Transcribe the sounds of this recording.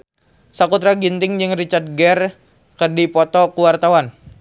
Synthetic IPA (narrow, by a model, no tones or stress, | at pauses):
sakut̪ɾaɡint̪ɪŋd͡ʒɨŋrit͡ʃard̪̚ɡɛr | kərdipɔt̪ɔkuwart̪awan